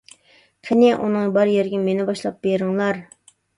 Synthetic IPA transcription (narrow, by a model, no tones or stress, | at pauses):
qʰɪnɪʔṵnɨŋbɑɾjeɾɡʲɪmenɪbɑʃlˠɑp̚beɾɪŋlˠɑɾ